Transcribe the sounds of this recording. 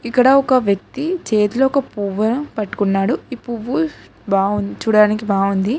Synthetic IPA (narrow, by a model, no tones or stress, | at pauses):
ikːɐɽɐɔkɐʋjɐk̚t̪it͡ʃeːt̪uloɔkɐpuʋːɐnupɐʈːu̥kunːaːɽuipːuʋːu | baːundt͡ʃuːɽaːnikibaːund̪i